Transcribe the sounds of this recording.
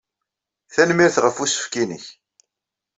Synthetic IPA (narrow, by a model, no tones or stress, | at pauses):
θænmiɾθʁəfusə̥fkinə̰ç